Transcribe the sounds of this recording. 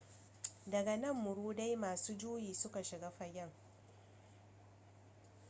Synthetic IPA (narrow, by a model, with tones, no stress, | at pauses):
dɐ˨ɡa˨nɐ˦˨mːʊ˨ɽuː˦da˦jmaː˨suː˦d͡ʒuː˦jiː˨sʊ˦ka˨ʃɪ˨ɡaː˦ɸɐ˨ɡʲɐ˦˨ŋ